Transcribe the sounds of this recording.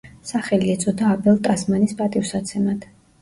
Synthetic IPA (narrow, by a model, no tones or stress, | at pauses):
saχɛliɛt̪sʼɔd̪aːbɛlˠt̪ʼasmanispʼat̪ʼifsat̪sʰɛmad̪̥